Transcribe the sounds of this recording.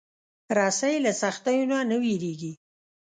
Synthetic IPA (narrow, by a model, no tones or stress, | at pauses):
ɾɑsajlasaxt̪ajunanəwiɾeɡi